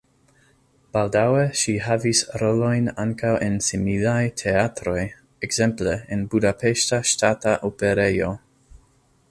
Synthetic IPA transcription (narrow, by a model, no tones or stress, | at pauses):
b̥aldaweʃiɦavisɾolo̞jnaŋkawʔensimilajtʰeatɾo̞j | ekz̥e̞mpleenbudapʰeʃtaʃtataʔopeɾejo̞